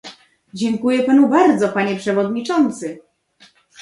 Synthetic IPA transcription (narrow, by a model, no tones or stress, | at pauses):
d͡ʑɛŋkujɛpanubaɾd̪zɔpaɲɛpʂɛvɔd̪ɲit͡ʂɔnt̪sɘ